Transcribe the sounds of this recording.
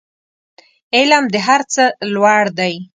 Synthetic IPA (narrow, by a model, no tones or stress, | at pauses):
ɪlamd̪əɦaɾt͡səlwaɽd̪aj